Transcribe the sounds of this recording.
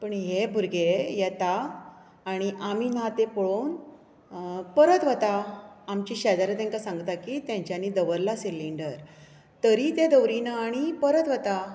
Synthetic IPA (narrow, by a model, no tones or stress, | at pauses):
pəɳɦebʱuɾɡejɛt̪aː | ɽ̃iʔamin̤ãt̪epəɭon | pəɾət̪ʋət̪aːmt͡ɕiɕɛd̪aɾət̪ɛ̃ŋkasãŋɡt̪akit̪jãɲt͡ɕjanid̪əʋəɾlasilːiɳɖəɾ | t̪əɾit̪ed̪əʋɾinəaɽ̃ipəɾət̪ʋət̪a